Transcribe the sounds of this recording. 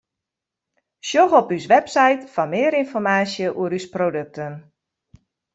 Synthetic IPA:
ʃjoɣɔpysʋɛpsajtfɔnmɪəɾinfɔrmaːsjəʔuəɾysprodøk̚tən

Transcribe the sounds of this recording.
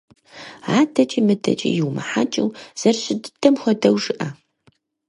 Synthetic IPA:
aːdʰɐt͡ʃʼimɨdʰɐ̰t͡ʃʼḭjɪwmɨ̰ħat͡ʃʼɪwz̥ɐrɕɪddɐmxʷɔdɐwʒɨʔɐ

